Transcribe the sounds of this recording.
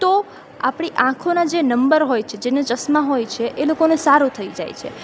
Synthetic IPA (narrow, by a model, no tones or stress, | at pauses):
t̪o | apɽ̃iʔãkʰonad͡ʒenəmbəɾɦojt͡ʃʰed͡ʒenet͡ʃəsmaɦojt͡ʃʰeʔelokonesaɾut̪ʰəid͡ʒa̰jt͡ʃʰḛ